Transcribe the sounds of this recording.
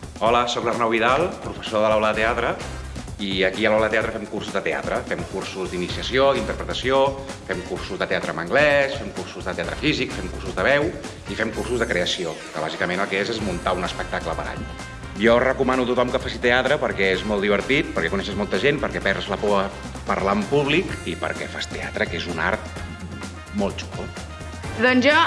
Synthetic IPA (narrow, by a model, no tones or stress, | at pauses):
ɔləsoklərnawiðalˠpɾufəsoðəlɔləðət̪eat̪ɾə | iəkiəlɔləðət̪eat̪ɾəfɛmkursuzðət̪ea̰t̪ɾəfɛmkursuzd̪inisiəsiod̪int̪əɾpɾət̪əsiofɛmkursuzðət̪eat̪ɾəːməŋɡlɛsfɛmkursuzðət̪eat̪ɾəfizikfɛmkursuzðəβ̞ɛw | ifɛmkursuzðəkɾeəsiokəβ̞azikəmenəlˠkɛezezmunt̪aunəspək̚t̪akləpəɾa̰ʎ | jɔrəkumanut̪ut̪ɔmkəfasit̪eat̪ɾəpəɾkɛezmɔlˠd̪iβ̞əɾt̪it̪̚pəɾkɛkunɛʃəzmɔlˠt̪əʒenpəɾkɛpɛɾzləpɔə | pəɾlaəmpuβlikipə̰ɾkɛ̰fast̪ea̰t̪ɾəkezuna̰ɾt̪̚ | molˠt͡ʃu̥lu | d̪ɔnzʒɔ